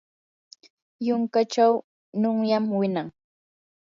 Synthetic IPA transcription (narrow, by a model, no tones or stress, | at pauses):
jʊŋkat͡ʃaw | nʊŋjamwɪnaŋ